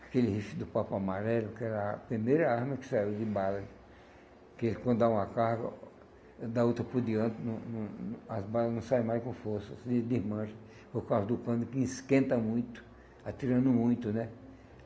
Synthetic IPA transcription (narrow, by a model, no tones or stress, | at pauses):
akelɪhifɪd̪ʊpapamaɾɛlʊkɪɛɾɐpɾimejɾɐaɾmɐkɪ̥saiwd̪ɪbalɐ | kɪelkwɐ̃nd̪ʊd̪aũmɐkahɡɐ̰ | d̪aot̪ɾɐpoɾd̪iɐ̃nt̪ɪnɐ̃w̃nɐ̃ɐzbalɐznɐ̃w̃saj̃majskõfoɾsɐsd̪ɪd̪ɪzmɐ̃ʒɐ̃ | poɾkawzɐd̪ʊpɐ̃d̪ʊkɪĩskẽnt̪ɐmũj̃t̪ʊ̥ | at̪iɾɐ̃nʊmũj̃t̪ʊnɛ